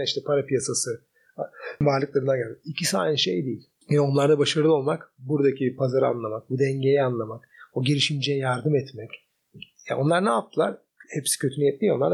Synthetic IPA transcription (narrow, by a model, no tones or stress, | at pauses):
iʃt̪ʰɛpʰaɾapijasasɯ | vaɾlˠɯklˠaɾɯnd̪anɟælʲmicʰisaːnʲiʃḛjd̪ejilʲ | o̞nlˠaɾd̪abaʃaɾɯɯo̞lˠmakbuɾd̪acʰipʰazaɾɯa̰nlˠamak̚bud̪ɛɲɟejɛanlˠamakoɟeɾiʃind͡ʒɛjɛjaɾd̪ɯmɛt̪mɛc | ja̰ʔo̞nlˠaɾnaːp̚t̪ʰɯlˠa̰ɾ | hɛpsi̥cʰøt̪ʰynyijɛt̪̚ːʲijo̞nˠaɾd̪